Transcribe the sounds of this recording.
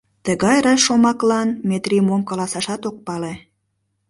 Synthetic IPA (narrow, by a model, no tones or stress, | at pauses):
t̪əɣɑjɾɑʃomɑklɑnmet̪rimomkɑlɑsɑʃɑt̪ok̚pɑle